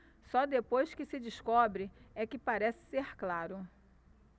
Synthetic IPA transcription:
sɔd̪epojskɪsɪd͡ʒiskɔbɾɪɛkɪpaɾɛsɪ̥sehklaɾʊ

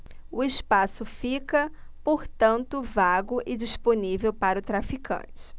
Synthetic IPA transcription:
ʊɪspasʊfikɐpoɾt̪ɐ̃nt̪ʊvaɡʊʔɪd͡ʒisponivewpaɾɐʊt̪ɾafikʰɐ̰̃t͡ʃɪ̥

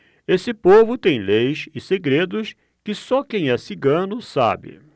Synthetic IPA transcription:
esɪpovʊt̪ẽj̃lejsɪseɡɾed̪ʊs | kɪsɔkẽj̃ɛsɪɡɐ̃nʊsa̰bɪ̰

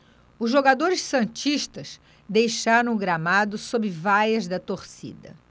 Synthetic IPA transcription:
ʊzʒoɡad̪oɾɪʃsɐ̃t͡ʃiʃt̪ɐs | d̪ejʃaɾɐ̃w̃ɡɾamad̪ʊsobɾɪvajɐzd̪ɐt̪oɾsḭd̪ɐ̰

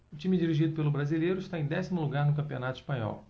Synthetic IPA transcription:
ʊt͡ʃĩmid͡ʒiɾiʒid̪ʊpelʊbɾazilejɾʊiʃt̪aẽj̃d̪ɛsimʊluɡaɾnʊkɐ̃pionat̪ʊi̥ʃpɐ̃ɲɔ̰w

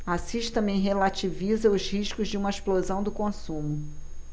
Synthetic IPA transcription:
asiʃt̪ɐ̃mẽj̃ɦelat͡ʃivizɐʊʃhiʃkʊzd͡ʒɪũmɐeʃplozɐ̃w̃d̪ʊkõsũmʊ

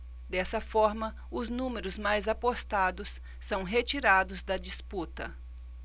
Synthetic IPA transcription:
d̪ɛsɐfɔɾmɐ | ʊznũmeɾʊzmajzapost̪ad̪ʊsː | ɐ̃w̃ɦet͡ʃiɾad̪ʊzd̪ɐd͡ʒisput̪ɐ

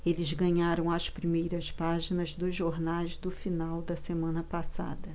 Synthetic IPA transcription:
elɪzɡɐ̃ɲaɾɐ̃w̃ɐspɾimejɾɐspaʒinɐzd̪ʊzʒoɾnajzd̪ʊfinawd̪ɐsemɐ̃nɐpasa̰d̪ɐ

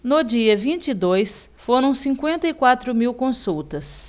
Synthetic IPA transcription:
nʊd͡ʒiɐvĩnt͡ʃid̪ojs | foɾɐ̃w̃sĩkwẽnt̪ɐikwat̪ɾʊmiwkõsuwt̪ɐs

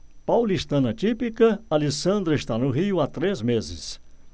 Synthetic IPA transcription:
pawlist̪ɐ̃nɐt͡ʃ̪ipikɐalisɐ̃nd̪ɾɐɪst̪anʊɦiʊat̪ɾezmezɪ̰s

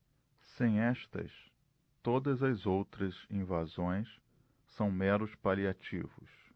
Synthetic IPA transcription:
sẽj̃ɛʃt̪ɐ̰s | t̪od̪ɐzɐzowt̪ɾɐzĩvazõj̃s | sɐ̃w̃mɛɾʊspaliat͡ʃḭvʊs

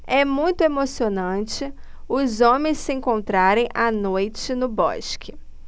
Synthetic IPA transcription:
ɛmũj̃t̪ʊemosionɐ̃t͡ʃɪ | ʊzõmẽj̃ssɪẽŋkõnt̪ɾaɾẽj̃ʔanojt͡ʃɪnʊbɔ̰ʃkʰɪ

